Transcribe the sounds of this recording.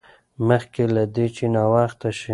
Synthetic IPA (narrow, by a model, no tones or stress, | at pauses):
məxkelad̪et͡ʃenawaxt̪aʃi